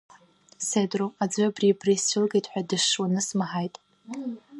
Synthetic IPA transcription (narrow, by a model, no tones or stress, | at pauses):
sedroad͡zʷabribrisɪlɡejtʼħʷᶣadɨʂːwanɨsmaħajtʼ